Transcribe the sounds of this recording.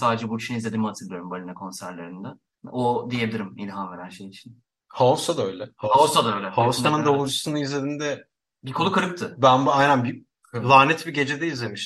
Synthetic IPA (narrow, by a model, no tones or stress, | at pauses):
saːd̪ed͡ʒɛbuit͡ʃʰinizlʲe̞d̪imat̪ʰɯɾlˠijoɾumbalʲinakʰo̞nsæɾlʲeɾɯnd̪ɛ | od̪ijebilʲiɾimilʲɦanve̞ɾænʃe̞jit͡ʃʰi̥n | haosad̪aøjlʲɛhahaosad̪aøjlʲɛhaosanɯnd̪ovud͡ʒusunɯizlʲe̞d̪ind̪ɛ | bikʰolukʰaɾɯp̚t̪ʰɯbænbajnænbi | lˠaːnɛt̪biɟe̞d͡ʒed̪ɛizlʲemiʃ